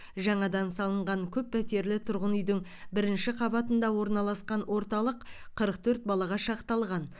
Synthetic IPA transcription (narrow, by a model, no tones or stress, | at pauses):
ʒɑɴɑd̪ɑnsɑlˠəɴʁɑŋkʲʰɵpːʰæt̪e̞ɾlɪt̪ʰʊɾʁənʏjd̪ɪŋ | bɪɾɪnʃɪqʰɑβɑt̪ənd̪ɑwo̞ɾnɑlˠɑsqɑnwʔo̞ɾt̪ɑlˠəqʰəɾəq̚t̪ʰɵɾt̪̚bɑlˠɑʁɑʃɑqt̪ɑlˠʁɑn